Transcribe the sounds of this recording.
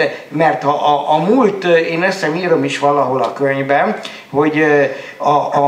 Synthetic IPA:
mɛrt̪hɒʔɒʔːmult̪eːnøsːɛmiːɾomiʃʋɒlɒɦo̞lɒkøɲvbɛn | ho̞ɟ | ɒ

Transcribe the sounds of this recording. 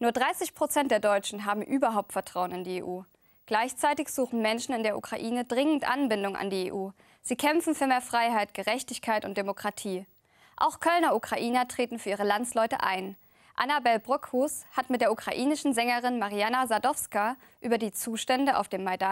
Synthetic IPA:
nuːɐdʁaɪsɪçpʁ̥ot͡sɛnt̚d̥eːɐdɔʏt͡ʃn̩ɦaːbm̩ʔyːbɐɦaʊp̚tfɛɐtʁ̥aʊənɪndiːḛːʔuː | ɡ̥laɪçt͡saɪtɪçz̥uːxn̩mɛnʃn̩ɪndeːɐʔṵkʁ̥a̰ʔiːnədʁɪŋən̩tʔa̰nbɪndʊŋa̰ndiːḛːʔuː | z̥iːkʰɛmfn̩fyːɐmeːɐfʁ̥aɪɦaɪtɡ̥əʁɛçtɪçkʰaɪtʊnt̚d̥emokʁ̥atʰiː | ʔa̰ʊxkʰœlnɐukʁ̥aʔiːnɐtʁ̥eːtn̩fyːɐiːʁ̞əlant͡slɔʏtə̰ʔa̰ɪn | ʔa̰nabɛlbʁɔkushatmɪt̚d̥eɐukʁ̥aʔiːnɪʃn̩zɛŋəʁɪnmaʁianazadɔfska | ʔyːbɐdiːt͡suːʃtɛndəʔa̰ʊfd̥eːmːaɪda

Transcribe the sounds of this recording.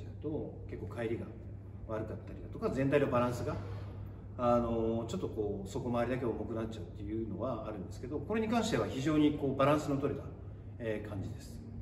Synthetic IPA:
aɯ̟t̪o̞ | ke̞kːo̞ːkaiɾʲiɡa | βaɾɯ̟kɯ̟at̪ːaɾʲid̪at̪o̞kazent̪̬ainobaɾãɰ̃sɨɡa | ano̞t͡ɕo̞t̪ːo̞ko̞ːso̞ko̞maːɾʲid̪ak̬e̞omo̞kɯnat͡ɕt͡ɕaɯ̟t̪ːe̞jɯ̟ːno̞βaːɾɯ̟̃nd̪e̞sɨ̥ke̞d̪o̞ko̞ɾe̞ɲ̟ikãɰ̃ɕit̪e̞βaçiʑo̞ːɲ̟iko̞ːbaɾãɰ̃sɨnot̪o̞ɾʲet̪a | ekʰãɲ̟d͡ʑid̪e̞sɨ̥

